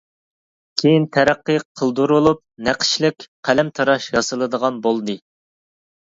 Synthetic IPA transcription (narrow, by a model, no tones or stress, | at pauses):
kʲʰejint̪ʰæɾæqːɨqʰəlˠd̪uɾulˠup̚næqʰə̥ʃlɪkʲqʰælɛmt̪ʰɑɾɑʃjɑsɨlˠɨd̪əʁɑnbolˠd̪ɨ